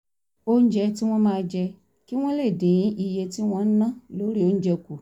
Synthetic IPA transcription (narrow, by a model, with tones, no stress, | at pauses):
o˦n̩˦d͡ʒɛ˧ti˦w̃ɔ̃˦mãː˧d͡ʒɛ˧ | ki˦w̃ɔ̃˦le˦˨dẽ˨j̃ĩ˨˦ʔi˧je˧ti˦w̃ɔ̃˦nã˦lo˦ɾi˦o˦n̩˦d͡ʒɛ˧ku˨